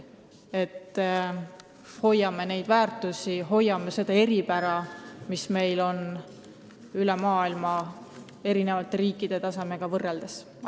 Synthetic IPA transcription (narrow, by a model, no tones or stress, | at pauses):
e̞t̪ːˑ | ho̞jːɑme̞ne̞jd̪̥væːrt̪ːˑusiɦo̞jːɑme̞se̞d̪̥ɑe̞ɾipæɾɑmisme̞jlo̞n | ylemɑːilmɑ | e̞ɾine̞vɑt̪ːˑe̞ɾiːkːˑid̪̥e̞t̪ɑsɑme̞ɡ̥ɑvɤrːeld̪̥es